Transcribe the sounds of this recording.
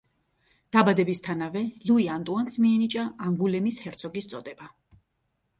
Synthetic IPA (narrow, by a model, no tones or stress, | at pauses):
d̪̥abad̪ɛbist̪ʰanavɛluiant̪ʼuansmiɛnit͡ʃʼaʔaŋɡulɛmishɛɾt̪sʰɔɡist̪sʼɔd̪ɛba